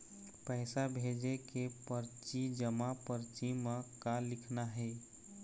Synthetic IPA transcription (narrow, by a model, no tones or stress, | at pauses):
pɛɪsabʱed͡ʒekepəɾt͡ʃid͡ʒəmapəɾt͡ʃimãkalɪkʰnaɦɛɪ